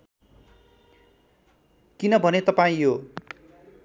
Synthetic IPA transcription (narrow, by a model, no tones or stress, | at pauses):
kinʌbʱʌnet̪ʌpaĩɦo